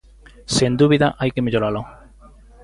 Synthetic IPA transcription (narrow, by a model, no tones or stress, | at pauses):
send̪uβiðaʔajkemeʎoɾalo